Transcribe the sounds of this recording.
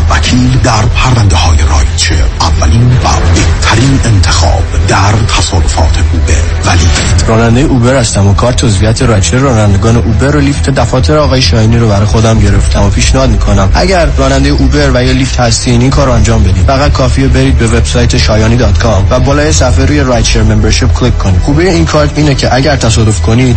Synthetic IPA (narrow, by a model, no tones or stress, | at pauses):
vækʰiːld̪æɾpʰæɾvænd̪ehɒːjeɾɒ̰ːjt͡ʃʰḛʔævːæliːnvæ̰beht̪ʰæɾiːnent̪ʰe̞xɒ̰ːb̥d̪æɾt̪ʰæsɒːdofɒ̰ːt̪ʰeʔubḛɾ | væliːft̪rɒːnænd̪e̞jeʔube̞ɾhæst̪æmokʰɒːɾt̪ʰozvijæt̪ʰe̞ɾɒːjt͡ʃʰeɾɒːnænd̪e̞ɡɒːne̞ʔuːbeɾolift̪ʰed̪æfɒːt̪ʰe̞ɾeɒːɣɒːjeʃɒːiniɾobæɾɒːjexo̞d̪æmɟe̞ɾe̞ft̪ʰæmopʰiːʃnehɒːd̪miːkʰo̞næmʔæɟæɾːɒːnænd̪ejeʔube̞ɾvæjɒlift̪hæst̪iniːnkʰɒːɾoænd͡ʒɒːmbe̞d̪iːd̪fæɣæd̪̚kʰɒːfiebe̞ɾiːd̪̚be̞ve̞bsɒːjt̪ʰeʃɒːjɒːniːd̪ɒːt̪kʰɒmvæbɒːlɒːjesæfeɾuːje̞ɾɒjt̪ʃeɾmembeɾʃipkʰlikʰːo̞niːd̪xuːbijeinkʰɒːɾt̪ʰiːnecʰe̞ʔæɟæɾt̪ʰæsɒːd̪o̞fkʰo̞nid̪̥